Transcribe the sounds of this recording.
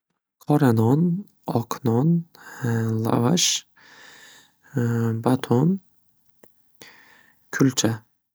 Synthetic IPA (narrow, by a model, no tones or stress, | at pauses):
kʰɔɾanɔn | ɒkʰnɔn | lˠa̰vaʃ | bat̪ʰon | kʲʰʊlt͡ʃʰa